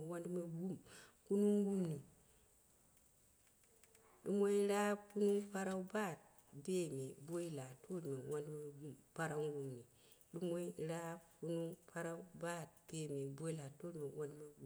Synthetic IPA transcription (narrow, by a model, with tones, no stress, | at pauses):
wa˦ndme˦ɡu˦mku˦nu˦ŋ˦ɡu˦mni˨ | ɗu˦mo˦i˦ɾa˦bku˦nu˦pa˦ɾa˦u˦ba˦˨t̚ | be˦me˨bo˦i˦la˨tʰo˦lme˨wa˦ndme˦ɡu˦mpa˦ɾa˦ŋ˦ɡu˦mni˨ | ɗu˦mo˦i˦ɾa˦bku˦nu˦pʰa˦ɾa˦u˦ba˦˨t̚b̥e˦˨me˨bo˦i˦la˨to˦lme˨wa˦ndme˦ɡu˦